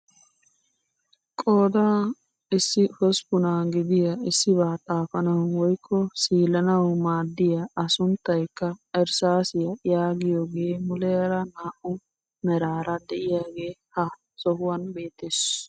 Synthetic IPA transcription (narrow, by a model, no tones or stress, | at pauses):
kʼoːd̪aː | ɪsːɪhɔspʊnaɡɪd̪ɪjɐɪsːɪβaːt̪ʼaːfɐnɐwwɔjkʰːɔsiːlɐnɐwmaːd̪ːɪjɐːsʊnt̪ːɐjkːɐɛɾsaːsɪjɐjaːɡɪjoːɡeːmʊlɛɐɾɐnaːʔʊ | mɛɾaːɾɐd̪ɛʔɪjaːɡe̞ːhɐ | sɔhʊwɐnbe̞ːt̪ːes